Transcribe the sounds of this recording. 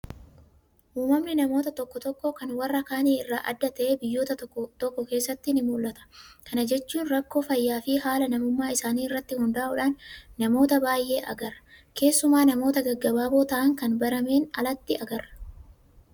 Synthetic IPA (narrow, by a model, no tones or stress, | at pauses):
ʔuːmɐmnɪnɐmo̞ːt̪ɐt̪ɔkːɔt̪ɔkːokɐnwɐrːɐkaːniːɪrːaːʔɐ̰d̪ːɐt̪ɐʔeːbɪjːo̞ːt̪ɐt̪ːt̪ɔkːɔke̞ːsːɐt̪ːɪnɪmuːlʔɐt̪ɐ̥kɐnɐd͡ʒɛt͡ʃːuːnɾɐkːo̞ːfɐjːaːfɪhaːlɐnɐmʊmːaːɪsaːniːɪrːɐt̪ːɪhʊnd̪ɐʔɐʔʊᶑaːnːɐmo̞ːt̪ɐbaːjʔe̞ːʔɐ̰ɡɐɾɐ̥ | ke̞ːsːʊmaːnɐmo̞ːt̪ɐɡɐɡːɐbaːboːt̪ɐʔɐŋkɐnbɐɾɐme̞ːnɐlɐt̪ːɪɐɡɐrːɐ̥